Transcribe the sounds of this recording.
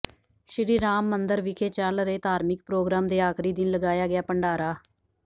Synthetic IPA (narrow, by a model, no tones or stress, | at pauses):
ʃɾiːɾaːmːənd̪əɾʋɪkʰeːt͡ʃəlɾeːt̪aːɾmɪk̚pɾoːɡɾaːmd̪eːaːkʰɾiːd̪ɪnləɡaːjaːɡɪaːpəɳɖaːɾaː